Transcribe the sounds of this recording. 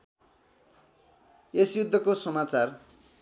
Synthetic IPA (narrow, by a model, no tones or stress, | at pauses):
esjud̪ʱːʌkosʌmat͡sar